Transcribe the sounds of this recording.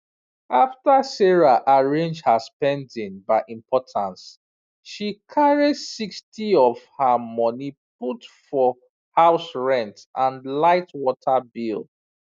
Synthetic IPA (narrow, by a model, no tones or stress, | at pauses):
aftəsɛɹaʔaɹẽnd͡ʒhəspɛ̃ndĩŋbaɪʔĩmpʰɔtʰãns | ʃikʰaɹidsikstʰiɔv̥hamɔnip̚utfɔ | haʊsɹɛ̃ntʔãnlaɪtwɔtʰəbilˠ